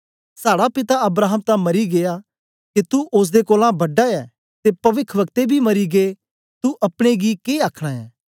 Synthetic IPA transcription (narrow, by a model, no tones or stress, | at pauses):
saːɽapɪt̪aɐbɾaːɦəmt̪ãmɐɾiɡeja | kit̪uʔʊs̬d̪ekoːlãbɐɖaɛː | t̪epɐʋɪkʰʋək̚t̪ebʱimɐɾiɡe | t̪uʔɐpɽ̃eɡikeːaːkʰɽ̃aɛ̰ː